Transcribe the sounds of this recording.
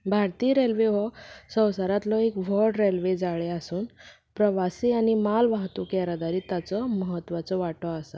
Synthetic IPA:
bʱaɾt̪iːɾelʋeɦɔsə̃w̃saɾat̪lɔekʋɔɖɾelʋed͡zaɭeasuːn | pɾəʋasiañimalʋaɦt̪ukaɾad̪aɾiːt̪at͡sɔməɦət̪ːʋat͡sɔʋaʈɔasa

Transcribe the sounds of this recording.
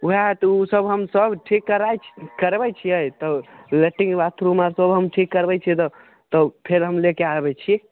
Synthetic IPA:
uɦat̪usəbɦəmsəbʈʰikːəɾajt͡ʃʰkəɾbɛt͡ʃʰiəjt̪ɔleʈːiŋbat̪ʰɾumaɾsəbɦəmʈʰikːəɾbɛt͡ʃʰit̪ɔ | t̪ɔpʰeɾɦəmlekeabɛt͡ʃʰi

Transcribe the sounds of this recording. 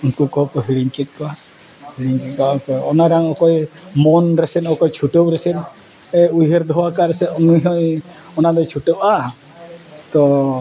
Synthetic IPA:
unkukɔɦɔkɔɦiɽiɲkɛt̪̚ˀkɔa | hiɽiɲkɛt̪̚kɔakɔɔnaɾaŋɔkɔjmɔnɾɛsɛnɔkɔjt͡ʃʰuʈowɾɛsɛn | ɛujɦeɾd̪ʱɔwakaɾɛsɛɔnujɦɔj | ɔnad̪ɔjt͡ʃʰuʈɔwa | t̪ɔ

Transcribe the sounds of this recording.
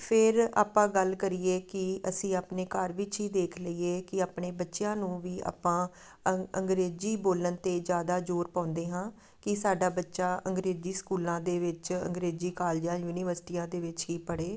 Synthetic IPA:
pʰɪɾa̰ːpãːɡəlkəɾiːeːkɪəsĩːaːpneːkəɾʋɪt͡ʃɦiːd̪eːkʰləiːeːkɪaːpɳeːbətːʃɪjãːnũːʋiːa̰ːpãː | əəŋɡɾeːd͡ʒiːboːlənt̪eːd͡ʒjaːd̪aːd͡ʒoːɾpãːʊnd̪eːɦãː | kɪsaːɖaːbətːʃaːʔəŋɡɾeːziːskuːlãːd̪eːʋɪt͡ʃə̰ŋɡɾeːd͡ʒiːkaːld͡ʒãːjuːniːʋəɾsɪ̥ʈiːãːd̪eːʋɪt͡ʃɦiːpəɽeː

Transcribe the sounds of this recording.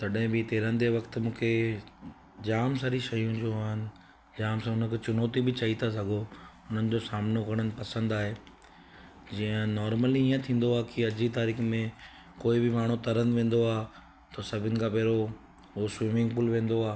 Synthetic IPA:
t̪ɐɗɦɪ̃bɪt̪eːɾə̃nɪ̆d̪eʋɐkt̪̆mũːkʰe | d͡ʑaːms̬aɾiʃɐjũd͡ʑoːaːɦɪnɪ̆ | d͡ʑaːmsãɦʊnə̆kʰet͡ɕʊnɔːt̪ibɪt͡ɕɐɦit̪ʰas̬ɐɡʱo | ʊn̤ənɪ̆d͡ʑoːsaːmnokɐɽ̃ənɪ̆pɐsə̃nd̪aːɦeː | d͡ʑĩːə̃nɔːɾməliiːə̃t̪ʰĩːn̆d̪oaːkiɐd͡ʑit̪aːɾiːxmẽ | koːibɪmaːɽ̤̃ut̪ɐɾənʋẽːn̆d̪oaːɦ | t̪ɐsɐbʱɪnɪ̆kʰãːpeːɾo | oswĩːmɪ̃ŋɡpʊlʋẽːn̆d̪oaː

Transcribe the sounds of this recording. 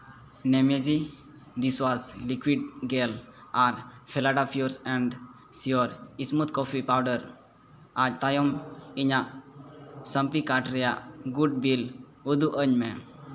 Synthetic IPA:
nemed͡ʒi | d̪iswaslikwiɖɡelaɾpʰelaɖapʰijuɾsɛ̃ɳɖ | sijoɾismut̪̚kɔfʰipawɖəɾ | ad͡ʒt̪ajɔmiɲaʔ | sə̃mpikaʈɾɛjaɡuɖ̚bil | ud̪uʔəɲmɛ

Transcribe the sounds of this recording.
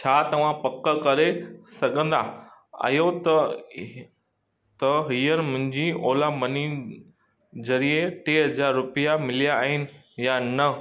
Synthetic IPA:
t͡ɕʰaːt̪ɐʋ̤ãpɐkkɐɾesɐɠʱə̃nd̪a̰jot̪ | t̪ɐɦiːənɪ̆mʊ̃ɦɪ̃ɲd͡ʑiʔoːlamɐni | zɐɾieʈeːɦɐzaːɾːʊpijamɪlijaːɦɪnɪ̆ | janɐ

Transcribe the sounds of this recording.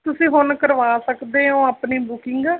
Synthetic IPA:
t̪ʊsĩːɦʊnkəɾʋaːsəkd̪eːõːapniːbʊkɪŋɡaː

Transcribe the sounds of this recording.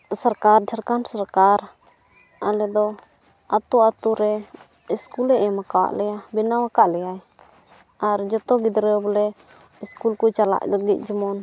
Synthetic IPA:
səɾkaɾd͡ʒʰaɾkansaɾkaɾ | alɛd̪ɔ | at̪uat̪uɾɛ | iskulɛʔɛmakawa̰ʔlɛjabinawakaʔlɛjaj | aɾd͡ʒɔt̪ɔɡid̪ɾɛblɛ | iskulkut͡ʃala̰ʔləɡit̪̚ˀd͡ʒimɔn

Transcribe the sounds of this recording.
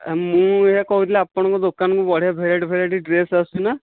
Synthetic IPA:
mũeɦakɔɦuɾilaapɔɽ̃ɔ̃ŋkɔd̪okanɔŋkubɔɽ̤ijabʱeɾeʈbʱeɾaʈiɖɾesasuna

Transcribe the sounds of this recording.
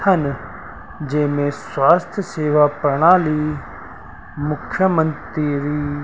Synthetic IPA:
ɐn | d͡ʒeːmẽswaːst̪ʰjəseːʋapɾəɽ̃aːli | mʊkʰjəmə̃nt̪ɾiɾiː

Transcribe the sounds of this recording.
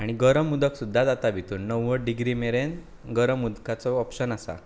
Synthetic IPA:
aɽ̃iɡəɾəmːud̪əksud̪ʱːad͡z̪at̪abʱit̪uːnːəwːəɖiɡɾimeɾen | ɡəɾəmːud̪kat͡sɔːpɕənasa̰

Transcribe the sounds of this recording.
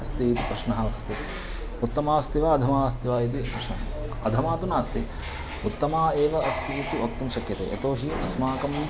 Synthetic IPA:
ɐst̪iːt̪i̥pɾɐʂnɐɦɐɐst̪i | ut̪ːɐmaːst̪iʋaːɐd̪ʱɐmaːst̪iʋaːit̪̬ipɾɐʂnɐ | ɐd̪ʱɐmaːt̪unaːst̪i | ut̪ːɐmaːeːʋɐʔɐst̪iːt̪iɐkt̪umʃɐkjɐt̪ḛːʔɐ̰t̪oːɦiʔɐsmaːkɐm

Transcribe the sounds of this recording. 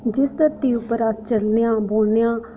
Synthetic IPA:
d͡ʒɪst̪əɾt̪iːʊpːəɾast͡ʃəlnejãːboːlneãː

